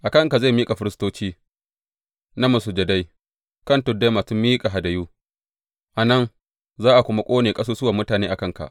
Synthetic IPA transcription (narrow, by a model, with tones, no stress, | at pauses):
ʔa˨kɐ˦˨ŋka˨za˦˨jmiː˦kʼa˨ɸɪ˦ɾɪ˦stoː˦t͡ʃiː˦ | na˦mɐ˨su˨d͡ʒɐ˨da˦j | kɐ˦˨ntʊ˨dːa˦ma˨sʊ˦mːiː˦kʼa˨ɦa˨dɐ˨juː˦ | ʔa˨nɐ˦n | zaː˦ʔa˨kʷʊ˦ma˦kʷʼoː˦neː˨kʼɐ˦soː˦sʊ˦waː˨mʊ˦taː˨neː˦ʔa˨kɐ˦ŋka̰˨ʔ